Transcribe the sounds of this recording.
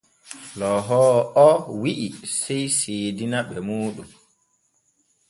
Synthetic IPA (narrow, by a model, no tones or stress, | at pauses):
lɔɦɔːɔwiʔisɛjseːdinaɓɛmuːɗum